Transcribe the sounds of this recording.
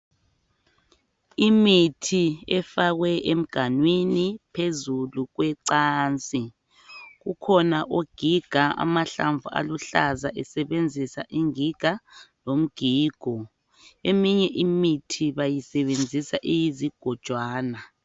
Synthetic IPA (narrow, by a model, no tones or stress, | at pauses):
imitʰiɛfaɣwɛʔem̩ɡ̥ʱanwinipʰezuluɣwɛǀaːnt͡sʼi | ɣukʰɔnaʔoɡ̥ʱiɡ̥ʱaa̰maɬaɱvua̰luɬazaʔɛsɛβend͡zʱisaʔiŋiɡ̥ʱalom̩ɡ̥ʱiːɡ̥ʱɔ | emiɲɛʔimitʰiβajisɛβend͡zʱisaʔijiziɡ̥ʱɔd̥ʒ̥ʱwaːna